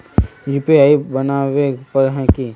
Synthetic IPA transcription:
jipiaːibɐnaʋepɐɾɦɛ̃ki

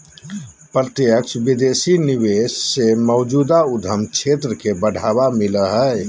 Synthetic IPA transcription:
pɾət̪jəksbid̪esiniβessemɔʊd͡ʒuːd̪aud̪ʱəmkt͡ʃʰet̪ɾəkebəɽ̤ʱabamiləɦə

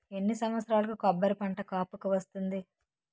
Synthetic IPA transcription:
e̞nːisɐnʋɐt̪sɾaːlɐkukɐbːɐɾipɐɳʈɐkaːpukuʋɐst̪und̪i

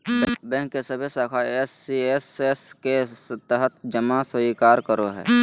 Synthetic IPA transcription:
bɛ̃ːŋkːesəbʱesaːkʰaesiesesket̪əɦət̪ʰd͡ʒəmasəikaːɾkəɾoɦɛ̰ː

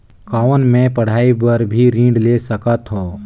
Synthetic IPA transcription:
kaːnmẽpɐɽ̤aːibəɾbʱiɾĩːɖlesəkət̪ɦõː

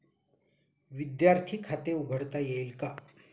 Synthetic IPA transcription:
ʋid̪jaɾt̪ʰiːkʰat̪euɡʱəɽt̪ajejlka

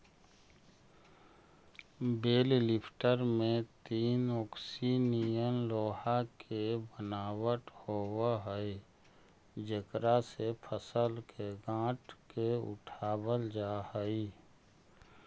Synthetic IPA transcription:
beːllɪpʰʈəɾmẽt̪iːnɔːksinijəmloːhakʰebənaːwəʈhowaɦəi | d͡ʒəkɾasepʰəsəlkʰeɡãːʈkeʊ̰ʈʰaːbəld͡ʒaːhəi

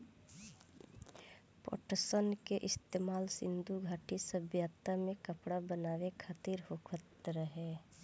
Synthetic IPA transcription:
po̰ːʈəsənkeʔɪst̪eːmaːlsɪ̃nd̪uɡʱaːʈisəbjaːt̪amẽkəpɽabənaːʋekʰaːt̪iɾhokʰət̪ɾəɦɛː

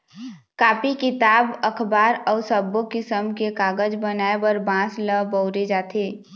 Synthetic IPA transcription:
kaːpikɪt̪aːbəkʰbaːɾɔːsəbːokɪsəmkekaːɡəd͡ʒbənaːebəɾbãːsləbəʊɾed͡ʒaːt̪ʰeː

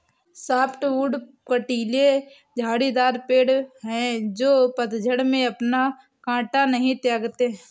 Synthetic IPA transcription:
saːpʰʈuːɖ | kəʈiːle | d͡ʒʱaːɽid̪aːɾpeːɽɦɛ̃d͡ʒoːpət̪d͡ʒʱəɽmẽɐpna | kãːʈanɐɦĩt̪jɛːɡt̪e

